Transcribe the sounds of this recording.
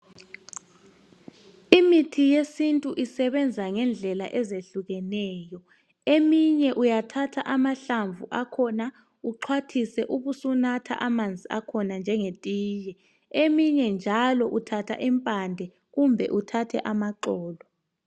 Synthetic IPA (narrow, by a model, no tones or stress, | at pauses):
imitʰijesintʼuʔisɛβɛnd͡zʱaŋɛnd͡ɮʱɛlaʔɛzeɬuɣɛnɛːjɔ | emiɲɛʔujatʰatʰaʔamaɬaɱvʱuʔakʰɔna | uǃʰwatʰisɛʔuɣusunatʰa̰ʔamand͡zʱiakʰɔnand͡ʒʱɛŋetʼiːjɛ | emiɲɛnd͡ʒʱalɔʔutʰatʰa̰ʔimpʼandʱɛ | ɣumbʱɛ̰ʔutʰatʰɛ̰ʔamaǃɔːlɔ